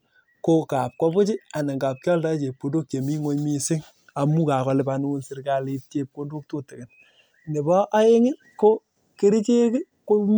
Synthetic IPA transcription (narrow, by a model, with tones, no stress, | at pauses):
ko˦ka˨p̚kɔ˦bʊ˦t͡ʃɪ˦a˨ne˨ŋɡa˨p̚kʲɔ˦lta˦t͡ʃe˨p̚ko˨ndo˦k̚t͡ʃe˨mi˦ŋo˦ɲmi˦sɪ˦ŋ | a˨mu˦ka˨kɔ˨lɪ˨pa˨nu˦u˦nsɪ˦ɾka˨li˦tje˦p̚ko˦ndo˦k̚to˦tɪ˨kɪ˨n | nɪ˨bɔ˦ʔa˦e˦ŋɪ˦ | ko˦ | ke˦ɾi˦t͡ʃe˦kɪ˦ | ko˦m